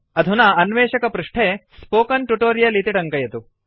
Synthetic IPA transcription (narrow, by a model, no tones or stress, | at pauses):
ɐd̪ʱunɐɐnʋeːʃɐkɐpɾuʂʈʰeːspoːkɐnʈuʈoːɾijɐlit̪iʈɐŋkɐjɐt̪u